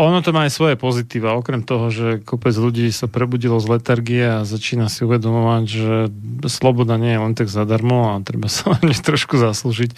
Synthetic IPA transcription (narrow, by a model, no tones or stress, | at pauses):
ʔɔnɔt̪ɔmaːjsʋɔjɛpɔzit̪iːʋaɔkɾɛmt̪ɔɦɔʒɛkɔpɛd͡zʎuɟiːsapɾɛbuɟilɔzlɛt̪aɾɡiɛazat͡ʃiːnasiuʋɛd̪ɔmɔʋaɟʒɛslɔbɔd̪aɲɪɛjɛlɛnt̪aɡzad̪aɾmɔat̪ɾɛbasaaɲɛt̪ɾɔʃkuzasluʒic